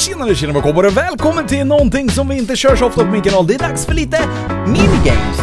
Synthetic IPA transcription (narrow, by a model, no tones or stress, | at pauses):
ɕɪnːaɾəɕɪnəmɛkʰɔbɑɾəvɛːlkʰɔmːənt̪ʰɪlnɔnt̪ɪŋːsɔmvɪɪnt̪əɕøːʂɔft̪apɔmɪnkʰɑnɑːld̪ɛæɖ̪aksfœɭiːt̪ə | minɪɡɛ̰ɪm